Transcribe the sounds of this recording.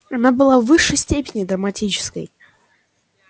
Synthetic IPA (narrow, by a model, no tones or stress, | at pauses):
ɐnabɨlˠavːɨʂːəjsʲtʲepʲɪnʲɪd̪ɾəmatʲit͡ɕɪ̥skə̰j